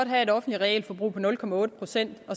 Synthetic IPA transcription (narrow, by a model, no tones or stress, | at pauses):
ɒ̽d̥ɦæe̝ɾɒ̽fn̩d̥liʁɛɛ̰ːlfɒ̽b̥ʁṵːpʰɒ̽nɔ̽lkʰɒ̽mæɔ̽ːɾ̥əpʰʁo̝sen̰d̥ɒ̽